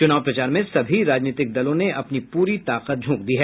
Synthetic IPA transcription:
t͡ʃʊnaːwpɾɐt͡ʃaːɾmẽsɐbʱiɾaːd͡ʒniːt̪ɪk̚d̪ɐlõneʔɐpnipuːɾit̪aːqət̪̚d͡ʒʱũːk̚d̪iːɦɛː

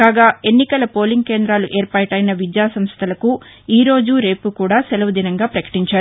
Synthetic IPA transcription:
kaːɡaːe̞nːikɐlɐpo̞ːliŋɡ̚ke̞ːnd̪ɾaːluʔe̞ːɾpaːʈɐjnɐʋid̪jaːsɐmst̪ʰɐlɐku | iːɾo̞ːd͡ʒuɾe̞ːpukuːɽaːselɐʋɐd̪inɐŋɡaːpɾɐkɐ̥ʈiɲt͡ʃaːɾu

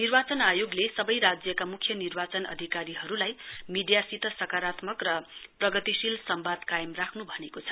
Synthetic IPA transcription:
nirbat͡sʌnajoɡlesʌbʌjɾad͡zjʌkamukʰjʌnirbat͡sʌnʌ̰d̪ʱikaɾiɦʌɾulajmiɖjasit̪ʌsʌkaɾat̪mʌkrʌprʌɡʌt̪isilsʌmbad̪kajʌmrakʰnubʱʌnekot͡sʰʌ̥

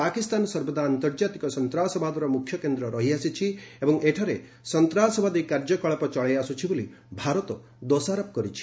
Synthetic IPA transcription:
akist̪anɔsɔɾbɔd̪ʱaːnt̪ɔɾd͡ʒat̪ikɔsɔnt̪ɾasɔbʱad̪ɔɾɔmukʰjɔkend̪ɾɔɾɔɦiasit͡ʃʰiebɔŋʔeʈʰaɾe | sɔnt̪ɾasɔbʱad̪ikːaɾd͡ʒɔkɔɭɔpɔt͡ʃɔɭejasut͡ʃʰiboli | bʱaɾɔt̪ɔ | d̪osaɾɔp̚kɔɾit͡ʃʰi̥

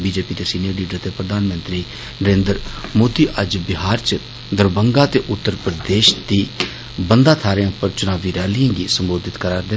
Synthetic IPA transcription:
biːd͡ʒeːpiːd̪eːsiːniəɾliːɖəɾt̪eːpɾəd̪aːnmə̃nt̪ɾiː | nəɾẽːnd̪əɾmoːd̪iːʔəd͡ʒbɪɦaːɾt͡ʃə | d̪əɾbəŋɡaːt̪eːʔʊt̪ːəɾpɾəd̪eːʃd̪iː | bənd̪aːt̪ʰaːɾejãʊpəɾt͡ʃʊnaːʋiːɾɛːlijãːŋɡiːsəmboːd̪ɪt̪kəɾaːɾd̪ɪ

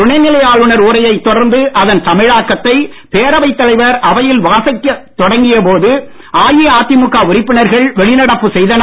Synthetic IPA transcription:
ʊɳɐɪnːɪlɐjaːɭɯɳɐɾuːɾɐjɐɪt̪ːɔɽɐɾnd̪ɯʔɐðɐnt̪ɐmɪɻaːkːɐt̪ːɐɪ | peːɾɐʋɐɪt̪ːɐlɐɪʋɐɾʔɐʋɐjɪlʋaːsɐkːɐt̪ːɔɽɐŋɡɪjɐpoːðɯ | ʔaːjiaːt̪ːɪmʊkːaːʊɾɪpːɪɳɐɾɣɐɭʋɛɭɪnɐɽɐpːɯsɛjðɐnɐ

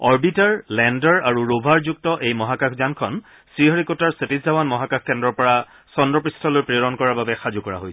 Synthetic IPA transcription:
ɔɹbitaɹlɛndɔɹaɹuɹobʱaɹzuk̚tɔʔejmɔɦakakʰzankʰɔn | sɹiɦɔɹikotaɹsetizzawanmɔɦakakʰkɛndɹɔɹpɔɹa | sɔndɹɔpɹistʰɔlojpɹiɔɹɔnkɔɹaɹbabɛxazukɔɹa̰ɦojsʰɛ

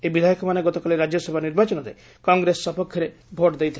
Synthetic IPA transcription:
ebid̪ʱajɔkɔmaneɡɔt̪ɔkaliɾad͡ʒjɔsɔbʱaniɾbat͡ʃɔnɔɾḛ | kɔŋɡɾesːɔpɔkʰjɔɾe | bʱoʈd̪ejt̪ʰi

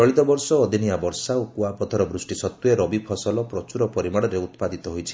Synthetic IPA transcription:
t͡ʃɔɭit̪ɔbɔɾsɔːd̪ʱinijabɔɾsaokuapɔt̪ʰɔɾɔbɾusʈisɔt̪ːueɾɔbipʰɔsɔlɔpɾɔt͡ʃuɾɔpɔɾimaɽɔɾeut̪pad̪it̪ɔɦojt͡ʃʰi̥

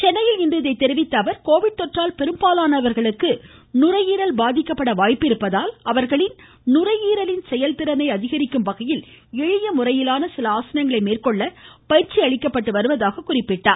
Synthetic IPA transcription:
t͡ʃɛnːɐjɪlɪnd̪ɪðɐɪt̪ːɛɾɪʋɪt̪ːɐːʋɐɾkoːʋɪɽ̚t̪ɔʈraːlpɛɾɯmbaːlaːnɐʋɐɾɣɐɭɯkːɯnʊrɐjiːɾɐlbaːðɪkːɐpːɐɽɐʋaːjpːɪɾɯpːɐðaːlɐʋɐɾɣɐɭɪn | nʊrɐjiːɾɐlɪnsɛjɐlp̪ɪɾɐnɐɪɐðɪɣɐɾɪkːɯmpɐɣɐjɪlɛɻɪjɐmʊrɐjɪlaːnɐsɪlɐaːsɐnɐŋɡɐɭɐɪmeːrkɔɭːɐpɐjɪɾt͡ʃiɐɭɪkːɐpːɐʈːɯʋɐɾɯʋɐðaːɣɐkʊrɪpːɪʈːa̰ːɾ

